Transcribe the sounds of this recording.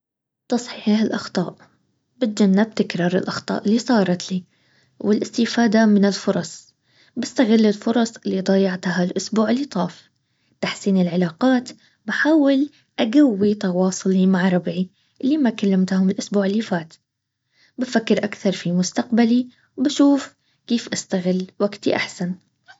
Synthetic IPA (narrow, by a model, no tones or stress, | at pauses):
t̪ɑsˤħiħahalʔɑxt̪ˤɑ̰ːʔ | bɪt̪̚d͡ʒanːɪb̚t̪ɪkɾˤɑːɾˤɪ̰lʔɑxt̪ˤɑ̰ːʔɪlːisˤɑːɾˤɑt̪liː | wɪlʔɪst̪ɪfaːd̪amɪnɪlfʊɾˤɑsˤ | bɪst̪aɣɪlːɪlfʊɾˤɑsˤɪlːid̪ˤɑjɑʕt̪halʔʊsbuːʕɪlːit̪ˤɑːf | t̪aħsiːnɪlʕɪlaːqɑːt̪ | baħaːwɪl | ʔaɡawːit̪ɑwɑːsˤʊlimaʕɾˤɑbʕi | ʔɪlːimakalːamt̪hʊmɪlʔʊsbuːʕɪlːifaːt̪ | bafakːɪɾʔakθɑɾˤfimʊst̪aqbali | wbaʃuːf | keːfʔast̪aɣɪlːwaɡt̪ḭʔa̰ħsan